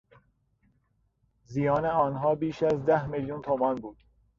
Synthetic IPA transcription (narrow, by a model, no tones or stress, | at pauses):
zijɒːneɒːnɦɒːbiːʃæzd̪æhmeljunt̪ʰomɒːnbuːd̪̥